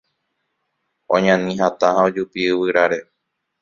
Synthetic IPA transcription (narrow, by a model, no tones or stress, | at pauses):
õ̰ɲãnĩɦat̪aɦãod͡ʒupiɨwɨɾaɾe̞